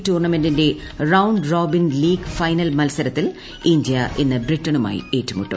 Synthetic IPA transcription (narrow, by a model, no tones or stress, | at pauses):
tuːrɳɐme̞ndinde̞ | rɐwuɳɖroːbinliːɡfɐjnɐlmɐlsɐɾɐt̪ːil | indijɐʔenːɨbritːɐɳuma̰ːjḭe̞ːtːumuʈːṵ